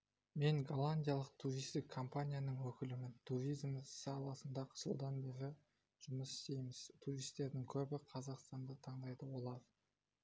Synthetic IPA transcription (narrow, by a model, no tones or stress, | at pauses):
me̞ŋɡalˠanʲdʲijalˠəq̚t̪ʰuɾʲijst̪ɪkʰːo̞mpanʲijanəɴwɵkʲɪlɪmɪnt̪ʰuɾʲijzmsɑlˠɑsənd̪ɑqʰə̥solˠd̪ɑnbe̞ɾɪ | ʒ̥ʊməsɪ̥st̪e̞jmɪz̥t̪ʰuɾijst̪e̞ɾd̪ɪŋkʲʰɵbɪqʰɑzɑqst̪ɑnd̪ət̪ʰɑɴd̪ɑjd̪əwo̞lˠɑɾ